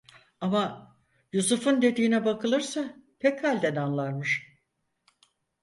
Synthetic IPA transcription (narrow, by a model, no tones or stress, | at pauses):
ama | jusufɯnd̪e̞d̪iːnɛbakɯlˠɯɾsapʰɛchalʲd̪ɛnanlˠaɾmɯʃ